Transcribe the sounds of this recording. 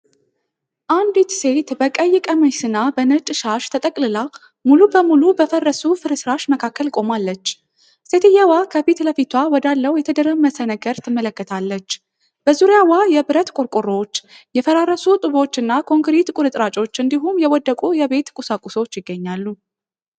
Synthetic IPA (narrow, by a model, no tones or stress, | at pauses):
ʔand̪it̪se̞t̪bəkʼəjːɪkʼəməjsɨnːabənət͡ʃʼɨʃaʃt̪ʰət̪ʼəkʼlɨla | mulubəmulubəfərːəsufɨɾɨsɨɾaʃməkʰakːəlkʼo̞malːət͡ʃː | set̪ʰɨjawakʰəbit̪ləfit̪ʰwawɔd̪alːəwjɛt̪ʰəd̪əɾəmmːəsənəɡəɾt̪ʰɨmːələkːət̪ʰalːət͡ʃː | b̥əzuɾjawajɛbɨɾət̪kʼʊɾkʼuro̞t͡ʃːjɛfəɾaɾəsut̪ʼɨβo̞t͡ʃːɨnːakʰo̞ŋɡɾit̪kʷʼʊɾɨt̪ʼɾat͡ʃʼo̞t͡ʃːɨnd̪iɦumjɛwɔd̪ːəkʼujɛβe̞t̪kʼusakʼːuso̞t͡ʃːjɪɡːəɲːalːu